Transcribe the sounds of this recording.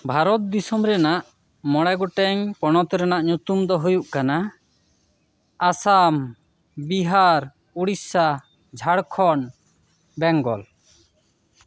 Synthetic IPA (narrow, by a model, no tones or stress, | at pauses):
bʱaɾɔt̪̚d̪isɔmɾɛnaʔ | mɔɽɛɡɔʈɛŋpɔɽ̃ɔt̪ɛɾɛnaʔɲut̪umd̪ɔɦujuʔkana | asam | biɦaɾ | uɽisa | d͡ʒʱaɽkʰɔɳ | bɛŋɡɔl